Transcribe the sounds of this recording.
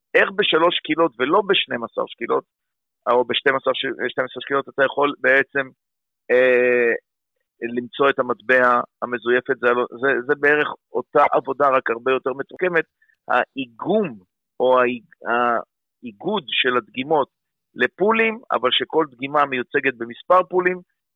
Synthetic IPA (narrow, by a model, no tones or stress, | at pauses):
e̞χbeʃalo̞ʃkilo̞tve̞lo̞beʃnemasa̰ʁʃkilo̞̰t | obeʃtemasaʁʃʃnemasaʁʃkilo̞tat̪ajaχo̞lbeet͡se̞m | e | limt͡so̞etamatbeaame̞zuje̞fe̞tzealozezebe̞eʁe̞χʔo̞t̪aʔavo̞daʁakaʁbe̞jo̞te̞ʁmetuʁke̞me̞t̪̚ | ha̰iɡum | ʔo̞a | a | iɡud̪ʃe̞lat̪ɡimo̞t | le̞pulima̰valʃe̞ko̞lt̪ɡimamejut͡se̞ɡe̞t̪̚bemispaʁpulim